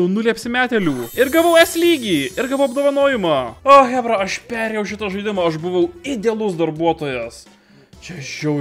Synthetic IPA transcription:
ʊnʊlʲiɐpʲsʲɪmʲæːt̪ʲɛlʲuːɪɾɡɐʋɐʊɛsʲlʲiːɡʲiːɪɾɡɐʋɐʊɐbd̪oːʋɐnoːjɪmɑːoːxʲæːbɾɐɐʃpʲæːɾʲeːjɛʊʃʲɪt̪ɐʒɐɪd̪ʲɪmɑːɐʃbʊʋɐʊɪd̪ʲɛlˠʊsd̪ɐɾbuɔt̪oːjɛs | t͡ʃʲɛʒʲɛʊ

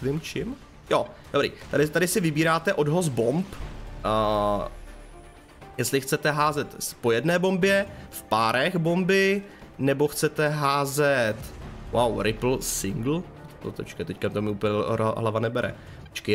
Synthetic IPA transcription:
vɪmt͡ʃɪm | jodobɾḭːt̪adɪt̪adɪsɪvɪbiːɾaːt̪ɛʔo̞dɦoz̬bomp | jɛstlɪxt͡sɛt̪ɛɦaːzɛt̪po̞jɛdnɛːbo̞mbjɛfpaːɾɛxbo̞mbɪ | nɛbo̞xt͡sɛt̪ɛɦaːzɛt̪wawɾɪpl̩sɪŋɡl̩ | t̪ot̪ɛt͡ʃkɛt̪ɛckat̪omɪuːpl̩ɲɛ̰ɦlavanɛbɛɾɛ̰ | t̪t͡ʃkɪ

